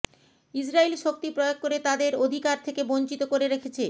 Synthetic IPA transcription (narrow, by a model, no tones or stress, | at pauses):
id͡ʑɾailʃok̚t̪ipɾɔjoɡ̚koɾet̪ad̪eɾod̪ʱikaɾt̪ʰekeboɲt͡ɕit̪okoɾeɾekʰet͡ɕʰe